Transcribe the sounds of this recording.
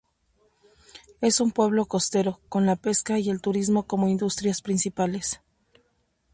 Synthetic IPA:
e̞sumpwe̞β̞lo̞ko̞st̪e̞ɾo̞ko̞nlape̞skaie̞lt̪uɾizmo̞ko̞mo̞ind̪ust̪ɾjaspɾinsipale̞s

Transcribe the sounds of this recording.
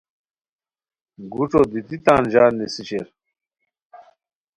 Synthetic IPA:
ɡuʈ͡ʂod̪it̪it̪aːnd͡ʑaːnisiɕeɾ

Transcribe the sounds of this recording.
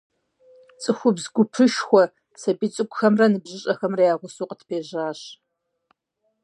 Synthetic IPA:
t͡sʼɨxʷʊbzɡʷʊpʰɨʃxʷɔ | sɐbit͡sʼɨkʷʼʊxɐmrɐnɨbʑɪɕʼɐxɐmrɐjaːʁʷʊsuːqətʰpʰeːʑaːɕ

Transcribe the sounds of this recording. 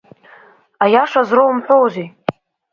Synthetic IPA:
ajaʂazrowmħʷᶣowzi

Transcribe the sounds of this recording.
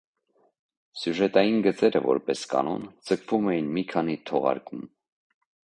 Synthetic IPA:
sjuʒɛt̪ɑjinɡət͡sɛɾəvɔ̰ɾpɛskɑ̰nɔnd͡zəkʰvumɛjinmikʰɑnit̪ʰɔʁɑ̰ɾkum

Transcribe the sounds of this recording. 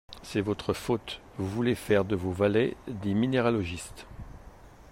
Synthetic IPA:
sɛvɔt̪χəfot̪ | vuvulefɛʁd̪əvovalɛd̪emineʁalɔʒist̪

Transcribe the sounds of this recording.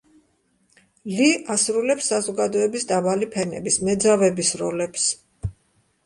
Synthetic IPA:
liasɾulɛpsːazɔɡad̪ɔɛbisd̪avalipʰɛnɛ̰bismɛd̪zavɛbisɾɔlɛps

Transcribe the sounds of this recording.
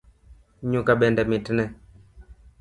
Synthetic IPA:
ɲukaɓɛndɛmitnɛ

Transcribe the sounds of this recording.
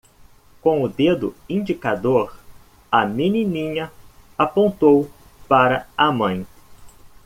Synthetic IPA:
kõw̃ʊd̪ed̪ʊĩnd͡ʒikad̪oɾ | ɐmininĩɲɐapõnt̪ow | paɾɐamɐ̃j̃

